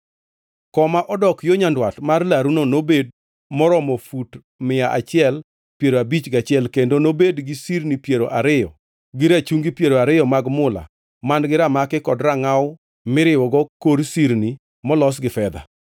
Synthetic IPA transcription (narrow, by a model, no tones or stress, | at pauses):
kɔmaʔɔdɔkjoɲandwatmarlaɾunonobed̚ | mɔɾɔmɔfut | mɪaʔat͡ʃɪɛl | pjeɾoabit͡ʃɡat͡ʃɪɛlkendonobedɡɪsiɾnipjeɾoʔaɾɪjɔ | ɡɪɾat͡ʃuŋɡipjeɾoaɾɪjɔmaɡmʊla̰ | manɡɪɾamakɪkɔdɾaŋawʊ | mɪɾɪwɔɡɔkoɾsiɾni | mɔlɔs̬ɡɪfɛd̪a̰